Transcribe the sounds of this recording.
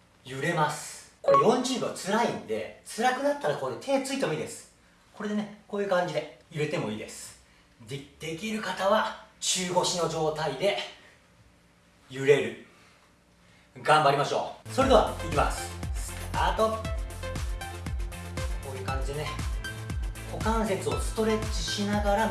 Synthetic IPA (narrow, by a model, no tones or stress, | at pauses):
jɯ̟ɾe̞masɨ̥koɡõ̞ɲd͡ʑɨ̃ɡoat͡sɨɾaĩnd̪e̞̰t͡sɨɾakɯ̟d̪at̪ːaɾakoːd̪et̪ʰe̞ːt͡sɨit̪e̞moiːd̪e̞sɨ̥ | ko̞ɾe̞d̪e̞ne̞ko̞ːjɯ̟kãɲ̟d͡ʑid̪e̞jɯ̟ɾe̞t̪e̞mo̞ḭːd̪e̞sɨ̥ | d̪ed̪̥e̞kʲiɾɯ̟kat̪aβ̞at͡ɕɨːɡo̞ɕino̞ʑo̞ːt̪aid̪e̞ | jɯ̟ɾe̞ɾɯ̟ | ɡãmbaɾʲimaɕo̞ːsoɾed̪e̞a̰ikʲima̰sɨ̥sɨ̥tat̪o̞ | koːjɯ̟ːkãɲ̟d͡ʑid̪e̞ne | ho̞kãɰ̃se̞t͡sɨo̞sɨ̥t̪o̞ɾe̞i̥ɕinaɡaɾa